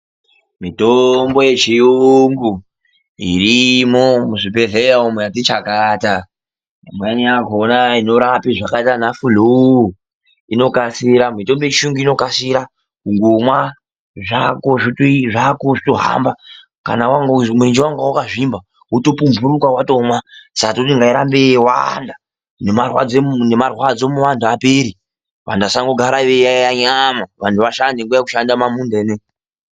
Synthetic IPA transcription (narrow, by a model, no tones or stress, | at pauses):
mitombo̞jet͡ʃijuŋɡu | ḭrimomuʐipeɮejaumwejatit͡ʃakaːta | mweniaɡʱonaino̞ɾapiʐakaitanafulu | ino̞kasiɾamito̞mbo̞jet͡ʃiuŋɡuino̞kasiɾa | uŋɡumwa | ʐakoʐitoʐakoʐito̞ɦa̰mba | ka̰nawaŋɡmurind͡ʒiwaŋɡawukaʐimba | wutopumbuɾukawatomwasakatotiŋɡaiɾambewa̰nda | nemarwa̰d͡zenemarwad͡zo̞muʋantʰuapeːɾi | ʋa̰ndasaŋɡo̞ɡʱaɾaʋejajaɲamaʋantʰuʋaʃandeŋɡujakuʃandamamundene